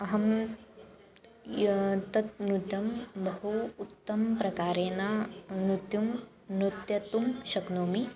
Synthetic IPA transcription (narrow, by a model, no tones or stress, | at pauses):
ɐɦɐm | t̪ɐt̪̚nuʈ̪ɐmbɐɦuːt̪ːɐmpɾɐkaːɾeːnanut̪jum | nut̪jɐt̪umʃɐknoːmi